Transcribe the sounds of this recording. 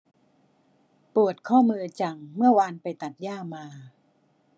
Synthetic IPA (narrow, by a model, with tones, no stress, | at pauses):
pu˨˩ət̪̚kʰɔː˥˩mɯː˧t͡ɕa˧˩ŋmɯ˥˩ɐəwa˧npa˧jt̪a˨˩t̪̚jaː˥˩maː˧